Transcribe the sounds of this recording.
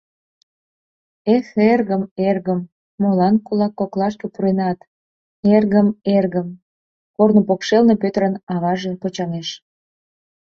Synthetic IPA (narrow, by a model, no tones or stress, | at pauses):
exerɣəmerɣəmː | olɑnkulɑkːoklɑʃkepuɾenɑt̪ | erɣəmerɣəm | kornopokʃelnepøt̪əɾənɑβɑʒepot͡ɕɑneʃ